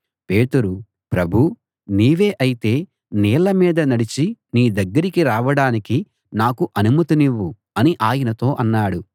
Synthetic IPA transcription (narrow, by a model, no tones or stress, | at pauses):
pe̞ːt̪uɾu | pɾɐbʱu | niːʋe̞ːʔɐjit̪e̞ː | nɛːlɐmiːd̪ɐnɐɽit͡ʃiniːd̪ɐɡːɐɾikiɾaːʋɐɽaːniki | naːkuʔɐnumɐt̪uniʋːu | ɐniʔaːjɐnɐt̪o̞ːʔɐnːaːɽu